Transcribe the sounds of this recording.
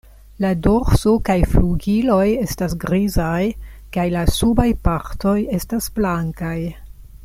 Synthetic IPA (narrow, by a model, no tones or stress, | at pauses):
lado̞ɾso̞kajfluɡilo̞je̞stasɡɾizajkajlasubajpaɾto̞je̞stasblaŋkaj